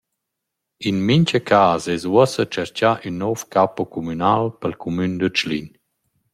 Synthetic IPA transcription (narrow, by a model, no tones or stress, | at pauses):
inmiɲcəkʰaːzɛzwɔsət͡ʃɛɾcaʔynːɔfkapɔkʰumynalpəlkʰumynd̪ət͡ʃlḭɲ